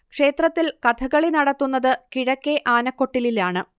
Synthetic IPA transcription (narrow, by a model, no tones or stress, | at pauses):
kʂe̞ːt̪rɐt̪ːilkɐt̪ʰɐɣɐɭinɐɽɐt̪ːunːɐðɨkiɻɐkːe̞ʔaːnɐkːo̞ʈːililaːɳɨ